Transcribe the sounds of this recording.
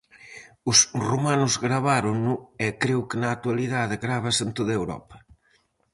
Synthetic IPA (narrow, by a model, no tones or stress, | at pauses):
ʊsrumanʊzɣɾaβaɾʊŋnʊekɾewkɪnaːk̚t̪waliðaðɪɣɾaβɐsẽnt̪oðɐewɾɔ̰pɐ̥